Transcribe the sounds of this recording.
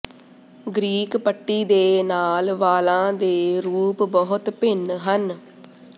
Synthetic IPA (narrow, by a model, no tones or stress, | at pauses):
ɡɾiːkpəʈːiːd̪eːnaːlʋaːlãːd̪eːɾuːpbɔɦʊt̪pɪnɦən